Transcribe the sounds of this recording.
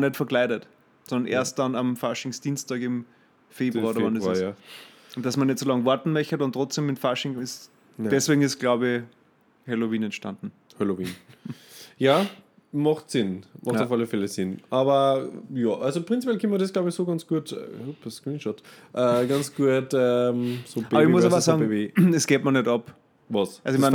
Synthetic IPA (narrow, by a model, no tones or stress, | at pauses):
nɛtfɐklæɪɾət | sɔndɐnʔḛːɐst̚d̥anɐmfaʃɪŋsd̥iːnstɑːɡɪm | feːbʁuaodɐandesj | ʊntd̥asmɐnɛtsolɑŋvɔɐtn̩mœçədantʁɔt͡sd̥emɪtfaʃɪŋɪs | d̥ɛsveːɡŋ̩ɪsɡ̥laʊbɪ | hɛloviːnɛntʃtandn̩ | hɛlovḭːn | jaː | mɑχtsɪnmʔɑχxtaʊfaləfɛləsɪnʔɑːbɐjɑːʔalzopʁɪnt͡sipʰjɛlkʰɪməɾɛsɡ̥laʊbɪçsoːɡɑnt͡sɡ̥uətːupskʁiːnʃɔt | ʔɛːɡɑnt͡sɡ̥uətɛmsob̥aːɐəɪçmʊsaʋasɑːɡŋee̥ɛsɡ̥eːtmɐnɛdɑp | vɑsasoɪçman